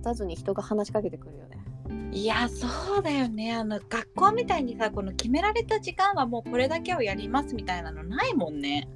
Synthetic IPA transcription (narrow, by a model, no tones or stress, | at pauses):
t̪azɨɲ̟içi̥t̪o̞ɡahanaɕi̥kake̞t̪ekɯ̟ɾɯ̟jo̞̰neiasoːd̪ajo̞ne̞ano̞ɡ̥akːo̞ːmʲit̪aiɲ̟isako̞no̞kʲime̞ɾaɾe̞t̪aʑikãɰ̃βamo̞ːko̞ɾe̞d̪ake̞o̞jaɾʲimasɨmʲit̪ainano̞naimõ̞nːe̞